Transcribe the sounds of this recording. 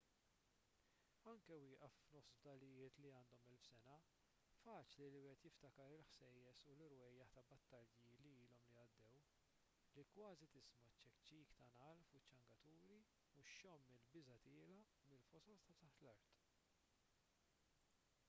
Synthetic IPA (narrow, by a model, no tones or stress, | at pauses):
ɐŋkɛwɪːʔɐfːnɔfsbd̪ɐlːɪjɪːt̪liɐːnd̪ɔmɛlfsɛnɐ | fɐːt͡ʃliliwɪːhɛt̪jɪft̪ɐkɐɾɪlħsɛjːɛsulɪɾwɛjːɐħt̪ɐbɐt̪ːɐɾiliiːlɔmliɐd̪ːɛw | likwɐːzit̪ɪsmɐt͡ʃːɛkt͡ʃːiːkt̪ɐnɐlfʊt͡ʃːɐŋɡɐt̪uːɾi | uʃːɔmːɪlbɪzɐt̪ɪːlɐ | mɪlfɔsɔlt̪ɐt̪ɐħt̪lɐɾt̪